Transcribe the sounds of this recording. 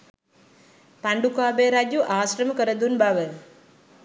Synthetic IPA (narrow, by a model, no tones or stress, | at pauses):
paɳɖukaːbeɾad͡ʒjuʔaːsɾəməkəɾəd̪unbaʋə